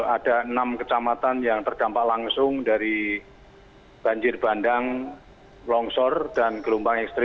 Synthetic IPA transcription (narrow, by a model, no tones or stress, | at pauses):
ad̥aənamkət͡ʃamat̪anjaŋt̪ərd̥ampaʔlaŋsʊŋdaɾi | b̥aɲd͡ʒɪrbandaŋ | lɔŋsɔrd̥anɡəlumpaŋɛkst̪ɾi